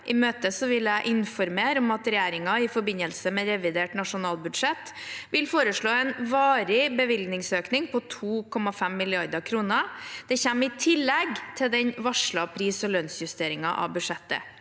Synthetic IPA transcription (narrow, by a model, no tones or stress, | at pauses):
ʔɪmøːt̪əsɔʋɪlæɪʔɪnfɔɾmeːɾɔmɑt̪ɾɛjæːɾɪŋɑɪfɔɾbɪnəlsəmɛɾɛʋɪd̪eːʈnɑʂʊnɑːlbʉd̪ʂɛt̪ːʋɪlfoːɾəʂɭoːɛnʋɑːɾɪbəʋɪlɡ̪nɪŋsøːknɪŋpʰɔt̪ʰuːkʰɔmɑfɛmːɪlɪɑɾd̪əkʰɾuːnəd̪̥ɛçɛmːɪt̪ʰɪlːɛɡt̪ʰɪld̪ɛnʋɑʂɭɑpʰɾiːsɔløːnsjʉst̪eːɾɪŋɑʔɑ̰bʉʂɛt̪ːə̰